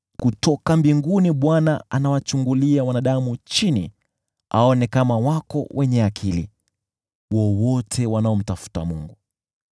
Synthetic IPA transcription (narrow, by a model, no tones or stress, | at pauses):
kutɔkambiŋɡuniɓwanaanawat͡ʃuŋɡuliawanaɗamut͡ʃinḭ | a̰ɔnɛkamawakɔ̰wʔɛɲɛakʰilḭ | wɔwɔtʰɛwanaɔm̩tafu̥tamuŋɡu